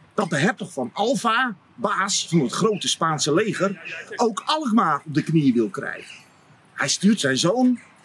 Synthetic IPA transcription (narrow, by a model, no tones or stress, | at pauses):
d̥ɑt̚dəɦɛp̚təχfɑnɑlˠva | baːsfnətχrowtəspaːnsəlejχərowkɑlˠəχmaːrɔb̚dəknijəʋɪlˠkrɛ̰jχən | hɛjstyːrtsɛjnzown